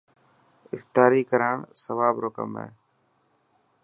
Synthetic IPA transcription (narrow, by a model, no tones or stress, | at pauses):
ɪft̪aːɾiːkəɾaːɳsəʋaːbɾokə̰mḛː